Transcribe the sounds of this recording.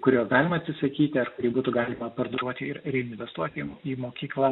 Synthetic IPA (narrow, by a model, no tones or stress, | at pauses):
kʊɾʲuːɡɑːlʲɪmɐtʲsʲɪsɐkʲiːt̪ʲɪɐrkʊɾʲiːbuːt̪ʊɡɑːlʲɪmɐpɐrd̪ɾuɔt̪ʲɪɪɾrʲɛɪɪnʲɪnʲʋʲɛst̪uɔt̪ʲːiːmoːkʲiːklˠɑ